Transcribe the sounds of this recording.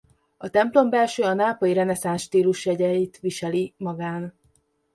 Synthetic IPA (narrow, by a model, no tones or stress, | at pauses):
ɒt̪ɛmplo̞mbɛlʃøːɒnaːpɒjiɾɛnɛsanʃt̪iːluʃjɛɟɛjit̪ʋiʃɛlimɒɡaːn